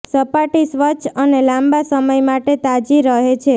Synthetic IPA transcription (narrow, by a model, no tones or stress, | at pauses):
səpaʈisʋət͡ʃʰənelãmbasəməjmaʈet̪ad͡ʒiɾəɦet͡ʃʰe